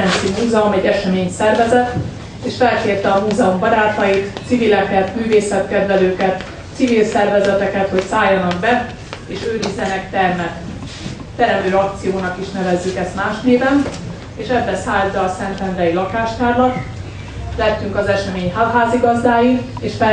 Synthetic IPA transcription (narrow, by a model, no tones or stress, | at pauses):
ɛnsimuːzɛumɛɟːɛʃɛmeːɲsɛrvɛzɛt̪ | eːʃfɛlkeːrt̪ɛɒmuːzɛumbɒɾaːt̪ɒjit̪sivilɛkɛt̪myːveːsɛt̪kɛd̪vɛløːkɛt̪ | sivilsɛrvɛzɛt̪ɛkɛt̪ho̞csaːjːɒnɒɡbɛ | eːʃøːɾizːɛnɛkt̪ɛrmɛt̪ː | ɛɾɛmd̪øːɒkt̪sijoːnɒkiʃnɛvɛzːykɛst̪maːʃneːvɛn | eːʃɛbːɛsaːlbɛɒsɛnt̪ɛnd̪rɛilɒkaːʃt̪aːrlɒt̪ | lɛt̪ːyŋkɒzɛʃɛmeːɲɦalɦaːziɡɒzd̪aːji | eːʃfɛ